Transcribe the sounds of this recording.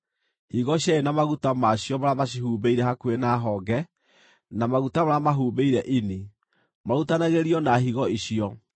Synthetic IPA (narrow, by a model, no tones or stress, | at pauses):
hiɣɔɕaenamaɣutamaɕjɔmaɾamaɕ̬iɦuːbeiɾɛhakwenaɦɔɡɛ | namaɣutamaɾamaɦuːβeiɾɛʔini | mautanaɣeɾiɔnaɦiɣɔiɕiɔ